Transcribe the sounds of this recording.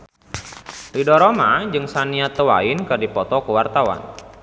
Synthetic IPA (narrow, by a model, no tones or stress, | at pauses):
lidɔɾɔmad͡ʒɨŋsaniat̪əwa̰ɪnkərdipɔt̪ɔkəwart̪awa̰n